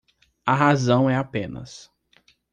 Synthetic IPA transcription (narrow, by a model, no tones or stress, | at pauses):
ɐɦazɐ̃w̃ɛapẽnɐ̰s